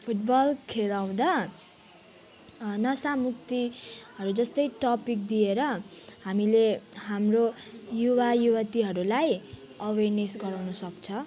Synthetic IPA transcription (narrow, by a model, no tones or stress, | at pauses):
pʰuʈbʌlkʰelaw̃d̪a | nʌsamuk̚t̪iɦʌɾud͡zʌst̪ʌjʈʌpik̚d̪ieɾʌhamileɦamrojuwajuwat̪iɦʌɾulaj | ʌwernesɡʌɾawnʌsʌk̚t͡sʰʌ